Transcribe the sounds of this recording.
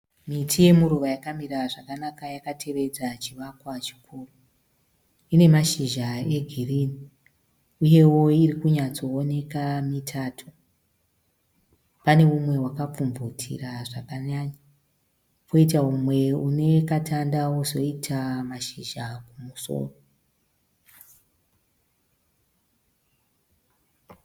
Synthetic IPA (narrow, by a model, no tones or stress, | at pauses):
mitʰije̞muɾuʋajakamiraʐakanakajakatʰe̞ʋe̞d͡zat͡ʃiʋakwat͡ʃi̥kʰuːro | ine̞maʃiʒae̞ɡʱiriːni | uje̞wo̞irikuɲat͡so̞ːne̞kamitʰaːtʰu | pane̞umwe̞wakap͡fuɱvutʰḭraʐakaɲaɲa | koit̬aumwe̞une̞katʰandawozo̞itʰamaʃiʒakumuso̰ːro